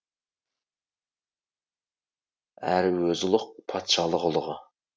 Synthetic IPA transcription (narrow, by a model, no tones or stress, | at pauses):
æɾɪwøzɪlˠʊq̚pʰɑt̪ʃɑlˠəʁəlˠəʁɑ